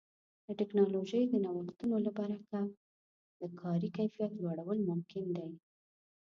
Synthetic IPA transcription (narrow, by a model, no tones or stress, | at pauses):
d̪əʈɪknɑloʒəjd̪ənawəxt̪unolabaɾaka | d̪əkʰɑɾikajfijat̪lwaɽawəlmʊmkɪnd̪aj